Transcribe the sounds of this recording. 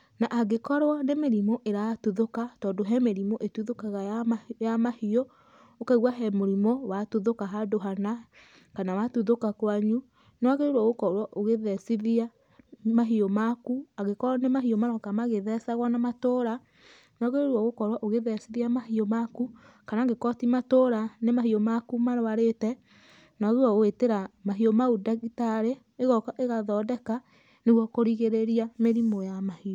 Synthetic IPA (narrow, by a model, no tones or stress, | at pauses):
naʔaɣekɔɾwanemeɾimoʔeɾatuðokatɔːndoɦɛmeɾimoʔetuðokaɣajamahiɔ | okaɣwaɦɛmoɾimɔwatuðokaɦadoɦana | kanawatuðokakwaɲu | nɔaɣeɾeɾwɔɣokɔɾwaʔoɣeðɛsiðia | maɦiɔmakuaɣekɔnemaɦiomaɾwakamaɣeðɛsaɣwanamatoɾa | nɔɣeɾoɾwɔɣokɔɾwaʔoɣeðɛsiðiamahiomaku | kanaːŋɡekɔtimatoɾanemahiomakumaɾoaɾetɛ | naɣewɔɣweteɾamaɦiomaudaɣitaɾeːɣɔkaʔeɣaðɔdɛka | neɣwɔkoɾiɣeɾeɾiameɾimojamahio